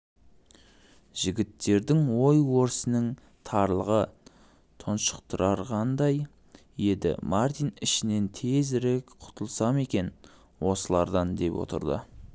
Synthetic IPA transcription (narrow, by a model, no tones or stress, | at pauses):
ʒ̥ɪɡʲɪt̪ːe̞ɾd̪ɪŋwo̞jwo̞ɾsənəŋ | t̪ʰɑɾlˠəʁə | t̪ʰʊnʃə̥qt̪ʰʊɾʔɑɾʁɑnd̪ɑj | je̞d̪ɪ̰maɾt̪ijnɪʃɪne̞nt̪ʰe̞zɾekqʰʊ̥t̪ʰəlˠsɑme̞kʲe̞n | wo̞səlˠɑɾd̪ɑnd̪e̞pwo̰t̪ə̰ɾd̪ə̰